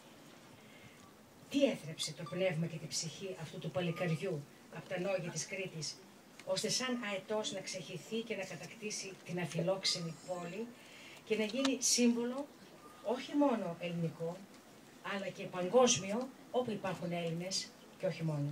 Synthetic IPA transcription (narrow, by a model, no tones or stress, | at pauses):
t̪ieθɾɐpset̪o̞pne̞vmɐce̞t̪ibsiçiʔɐft̪ut̪upɐlikɐɾʝu | ɐpo̞̥t̪ɐno̞ʝɐt̪iskɾit̪is | o̞st̪e̞sɐnɐet̪o̞znɐksɐçiθice̞nɐkɐt̪ɐkt̪isit̪inɐfilo̞ksenipo̞li | ce̞nɐʝinisiɱvo̞lo̞ | oçimo̞no̞ʔe̞liniko̞ | ɐlɐce̞pɐŋɡo̞zmio̞ | opuipɐɾxune̞line̞s | ce̞o̞çimo̞no